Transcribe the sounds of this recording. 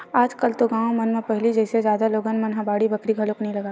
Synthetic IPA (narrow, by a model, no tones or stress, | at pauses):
aːd͡ʒkɐlt̪oɡãːõmɐnmẽpɛɦlid͡ʒɛːsed͡ʒjaːd̪aloːɡənmɐnɦãbaːɽibɐkɽiɡʱɐloknɐɦĩlɐɡaː